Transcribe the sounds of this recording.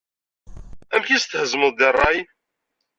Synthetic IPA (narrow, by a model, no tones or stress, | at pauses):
æmçist̪həzməðˤd̪erˤːɑj